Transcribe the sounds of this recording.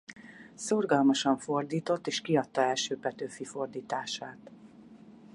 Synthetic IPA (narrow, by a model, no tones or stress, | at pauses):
sorɡɒlmɒʃɒɱfo̞rd̪iːt̪o̞t̪ːeːʃkiɒt̪ːɒɛlʃøːpɛt̪øːfifo̞rd̪iːt̪aːʃaːt̪